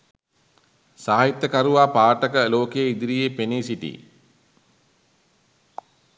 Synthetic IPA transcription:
saːɦit̪ːəkaɾuʋaːpaːʈəkəloːkejeid̪iɾijepeniːsiʈḭ

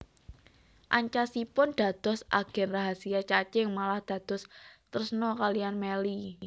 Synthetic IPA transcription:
ʔaɲt͡ʃasipʊnd̪̥a̤d̪̥ɔ̤sʔa̰ɡ̥ɛ̤nraɦasiat͡ʃat͡ʃɪŋmalahd̪̥ä̤d̪̥ɔ̤st̪ərsənɔkalianmeli

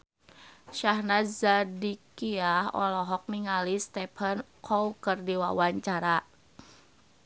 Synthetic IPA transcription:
ʃaɦnazadikiahɔ̰lɔɦɔk̚niŋalist̪ɛpʰənkʰɔwkɨrdiwa̰waɲt͡ʃaɾa

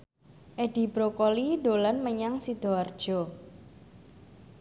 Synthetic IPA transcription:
ʔeɖ̥i̤bɾokoliɖolanməɲaŋsid̪̥o̤ard̥ʒ̥ɔ̤

